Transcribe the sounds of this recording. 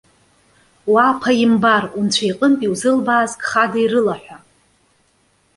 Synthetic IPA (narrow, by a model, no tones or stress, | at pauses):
wapʰajimbarunt͡ɕʷʰajqʼəntʼiwzɨlbaːzkʼχadairɨlaħʷᶣa